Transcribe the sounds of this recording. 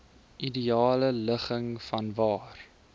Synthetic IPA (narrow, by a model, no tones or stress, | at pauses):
ʔidiɑːlələχəŋfɐnvɑːr